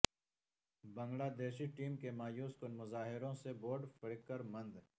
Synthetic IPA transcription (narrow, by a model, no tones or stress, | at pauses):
bɐ̃ŋɡlaːd̪eːʃiʈiːmkemaːjuːskonmʊzaːɦɪɾõseboːɾɖfɪɽkːəɾmɐ̃nd̪